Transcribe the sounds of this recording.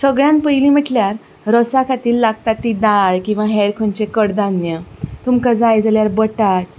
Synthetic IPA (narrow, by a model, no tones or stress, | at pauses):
səɡɭjãnpəjliːm̤əʈljaɾ | ɾəsakʰat̪iːllaɡ̚t̪at̪ːid̪aɭkĩw̃ʋaɦɛɾkʰont͡ɕekəɽd̪anjət̪umkad͡zajd͡zaljaɾbəʈat̪̚